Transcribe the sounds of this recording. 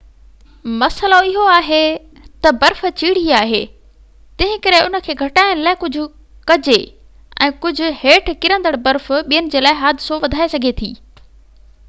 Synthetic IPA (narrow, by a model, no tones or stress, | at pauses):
mɐsəloɪɦoaːɦe | t̪ɐbɐɾft͡ɕiːɽ̤iaːɦḛː | t̪ɐ̃ɦɪ̃kɐɾeʊnə̆kʰeːɡʱɐʈaːɪñɪlaːɪkʊd͡ʑʱʊ̆ | kɐd͡ʑe | ʔɛ̰̃ːkʊd͡ʑʱʊ̆heːʈʰkɪɾə̃nd̪əɽbɐɾfʊɓijənɪ̆d͡ʑeːlaːɪɦaːd̪ʱɪsoʋɐd̪ʱaːesɐɡʱet̪ʰḭː